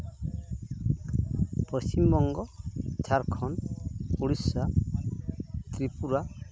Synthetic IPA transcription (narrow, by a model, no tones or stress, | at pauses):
pəst͡ʃimbɔŋɡɔt͡ʃʰaɾkʰɔnpuɽisa | t̪ɾipuɾa